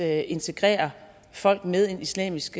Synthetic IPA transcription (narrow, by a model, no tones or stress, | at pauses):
e̝nt͡sʰe̝ɡ̥ʁɛ̰ːɐ | fɒ̽l̰ɡ̥meðˠe̝nislɛ̰ːmisɡ̥